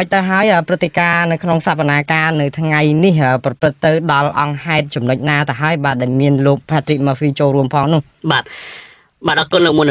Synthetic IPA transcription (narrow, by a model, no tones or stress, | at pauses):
c̚t̪aɦaəjʔəːprɨt̪ːekaːnɨwkʰnoŋsaːʋanaːkaːnɨwt̪ʰŋajnihʔəːprɑprɨt̪ːɨwɗɑlʔɑŋhaɛt̪̚t͡ɕumnoc̚naːt̪aɦaəjɓaːt̪̚ɗaɛlmiənloːk̚pʰɛːt̪rik̚mafiːt͡ɕoːlruəmpʰɑːŋnŭəhɓaːt̪̚ | ɓaːt̪̚ʔɑːkʊnloːk̚muən